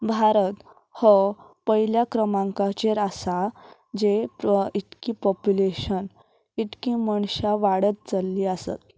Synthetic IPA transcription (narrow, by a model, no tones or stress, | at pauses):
bʱaɾət̪ | hɔ | pəɦiljakɾəmãŋkat͡ɕeɾasa | d͡ʑeiʈkipɔpjuleɕən | iʈkĩməɳɕaʋaɽət̪̚t͡səlːiːasa̰t̪̚